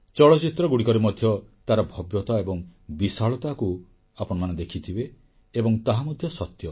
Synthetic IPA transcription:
t͡ʃɔɭɔt͡ʃit̪ɾɔɡuɽikɔɾimɔd̪ʱjɔt̪aɾɔbʱɔbjɔt̪aebɔŋbisaɭɔt̪aku | apɔɽ̃maned̪ekʰit̪ʰibeː | bɔŋt̪aɦamɔd̪ʱjɔsɔt̪jɔ

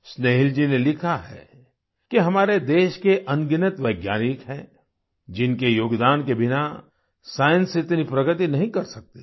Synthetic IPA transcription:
sneːɦɪld͡ʒinelɪkʰaɦɛ̰ | kiɦɐmaːɾed̪eːʃkeʔɐ̃nɡɪnɪt̪ʋɐːɡjaːnɪkɦɛ̃ː | d͡ʒɪnkejoːɡd̪aːnkebʱɪna | saːjə̃nsɪt̪nipɾɐɡət̪inɐɦĩkɐɾsɐk̚t̪e̥

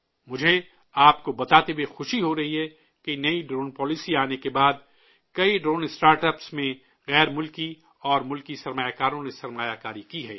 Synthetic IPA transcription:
mʊd͡ʒʱe | aːp̚kobɐt̪aːt̪ebexʊʃiɦoɾɐɦiɦɛ | kenɐiɖɾoːnpɔːlɪsiaːnekebaːd̪ | kɐiɖɾoːnɪsʈaːɾʈɛpsmẽ | ɣɛːɾmʊlki | ɔːɾmʊlkisɐɾmaːjakaːɾõnesɐɾmaːjakaːɾikiɦɛ̰ː

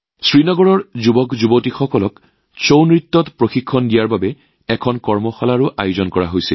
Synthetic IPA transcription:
sɹinɔɡɔɹɔɹzubɔkzubotixɔkɔlɔk | sownɹitːɔtpɹoxikʰːɔndijaɹbabɛ | ɛkʰɔnkɔɹmɔxɔlaɹuʔajʊzɔnkɔɹaɦojsɛ̰l

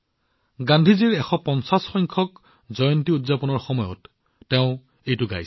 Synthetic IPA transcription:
ɡãndʱiziɹɛxɔpɔnsasxɔŋkʰɔk | zɔjɔntiudzapɔnɔɹxɔmɔjɔ̰tː | ɛʊ̃ | ejtʊɡa̰js

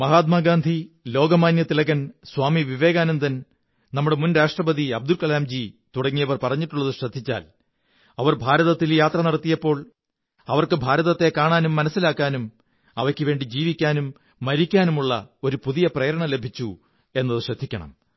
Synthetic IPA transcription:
mɐɦaːt̪maːɡaːnd̪ʱilo̞ːɡɐmaːnjɐt̪ilɐɣɐnswaːmiʋiʋe̞ːɣaːnumt̪ɐn | nɐmːuɽe̞munɾaːʂʈrɐbɐðiɐb̚d̪ulkɐlaːmd͡ʑit̪uɽɐŋːijɐʋɐrpɐrɐɲːiʈːuɭːɐðɨɕrɐd̪ʱːit͡ɕːa̰ːl | ɐʋɐrbʱaːɾɐðɐt̪ːiljaːt̪rɐnɐɽɐt̪ːijɐpːo̞ːɭ | ɐʋɐrkɨbʱaːɾɐðɐt̪ːe̞kaːɳaːnumːɐnɐsːilaːkːaːnum | ɐʋɐkʲːɨʋe̞ːɳɖid͡ʑiːʋikʲːaːnumː | ɐɾikʲːaːnumuɭːɐ̰o̞ɾupuðijɐprɐjɐɾɐɳɐle̞bʱit͡ɕːu | e̞nːɐðɨɕrɐd̪ʱːikʲːɐ̰ɳɐ̰m

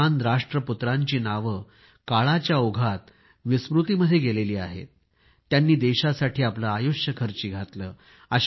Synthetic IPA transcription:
and̪ɾaʂʈɾəput̪ɾaɲt͡ɕiːnaʋə | kaɭat͡ɕjaoɡʱat̪̚ | ʋisʋɾut̪iməd̪ʱːjeɡeleliːa̰ɦḛt̪̚ː | janːiːd̪eɕasaʈʰiːaplaːjuʂjəkʰəɾt͡ɕiːɡʱat̪ləː | əɕ

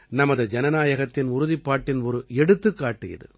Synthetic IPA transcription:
nɐmɐðɯd͡ʒɛnɐnaːjɐɣɐt̪ːɪnʊɾʊðɪpːaːʈːɪnɔɾɯɛɽɯt̪ːɯkːaːʈːɪjɐ̰ðɯ̰

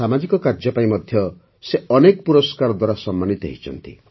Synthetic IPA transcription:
amad͡ʒikɔkaɾd͡ʒɔpaĩmɔd̪ʱjɔ | seɔnekɔpuɾɔskaɾɔd̪waɾasɔmːanit̪ɔḛɦit͡ʃʰɔ̰nt̪ḭ

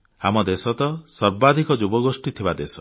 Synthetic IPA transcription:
amɔd̪esɔt̪ɔsɔɾbad̪ʱikɔd͡ʒubɔɡosʈit̪ʰibad̪esɔ̥

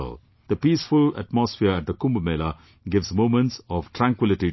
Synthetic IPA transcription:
l | d̪̥əpiːsfʊlə̰ʈmɔsfɪəɾæʈ̚d̪əkʊ̃mbmeːla | ɡɪʋzmõːmə̃nʈsɔʋʈɾæ̃ŋkwɪlɪʈi

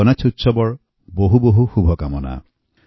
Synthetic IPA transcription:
ɔnat͡ʃʰutːsɔbɔɹ | boɦuboɦuxubʱɔkamɔna̰

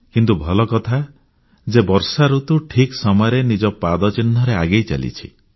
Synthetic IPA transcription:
kint̪ubʱɔlɔkɔt̪ʰa | d͡ʒebɔɾsaɾut̪uʈʰiksɔmɔjɾenid͡ʒɔpad̪ɔt͡ʃinːɔɾeaɡejt͡ʃa̰lḭt͡ʃʰḭ

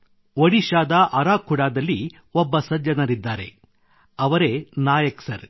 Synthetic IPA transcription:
ʋɐɽiʃaːd̪ɐʔɐɾaːkʰuɽaːd̪ɐlːi | ɔbːɐsɐd͡ʒjɐnɐɾid̪ːaːɾe̞̰ | ɐʋɐɾe̞ːnaːjɐksɐ̰ɾ

